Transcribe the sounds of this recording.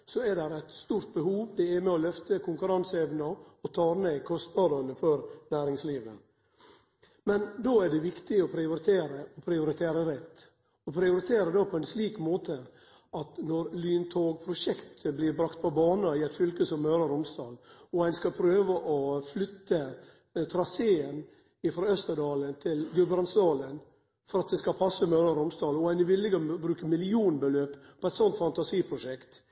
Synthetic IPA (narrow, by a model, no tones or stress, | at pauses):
sɔæd̪æɾæt̪st̪uːɾt̪̚bəɦuːʋd̪ɛæɾmɛɔlœft̪əkʰʊŋkʉɾɑnsɛʋnɑɔt̪ʰɑːɾmeːkʰɔst̪ʋɑːd̪ɑnəfɔɾnæːɾɪŋsliːʋə̰ | mɛnd̪oːæɖɛʋɪkt̪ɪɔpʰɾɪʊɾɪt̪ʰeːɾəɔpʰɾɪʊɾɪt̪ʰeːɾəɾɛt̪ː | ɔpʰɾɪʊɾɪt̪ʰeːɾəd̪oːpʰɔɛnsliːkmoːt̪ʰə | ɑt̪nɔɾlyːnt̪ʰoːɡ̚pʰɾʊʂɛkt̪ʰəblɪɾbɾɑkt̪̚pʰɔbɑːnəɪɛt̪fʏlkəsɔmːœɾɑɾʊmst̪ɑ̰ːlɔɛɪnskɑpʰɾøːʋəʔɔflʏt̪ːə | t̪ʰɾɑseːən | ɪfɾoːœst̪əd̪ɑːlənt̪ʰɪlɡʉbɾɑnsd̪ɑːlən | fɔɾɑt̪̚d̪ɛskɑpʰɑsːəmœɾəɾʊmst̪ɑːlɔɛɪnɪʋɪlːɪɡəbɾʉːkəmɪlɪuːnbəløːppʰɔɛt̪sɔnt̪fɑnt̪ɑsiːpʰɾʊʂɛkt̪